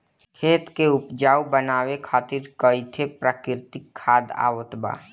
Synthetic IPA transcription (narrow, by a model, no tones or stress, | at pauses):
kʰeːt̪keʊpd͡ʒaːubənaːwekʰaːt̪ɪɾkəɪt̪ʰepɾaːkɪɾt̪ɪkʰːaːd̪a̰ːwət̪ba̰ː